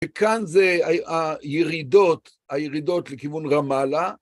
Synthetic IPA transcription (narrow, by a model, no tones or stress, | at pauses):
vekanzeaajeʁid̪o̞t̪ | ajeʁid̪o̞t̪lekivunʁamala